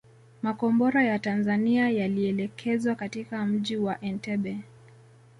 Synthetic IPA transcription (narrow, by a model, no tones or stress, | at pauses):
makɔmbɔɾajatanzaniajaliɛlɛkʰɛzwakatikam̩ʄiwaʔɛntɛɓɛ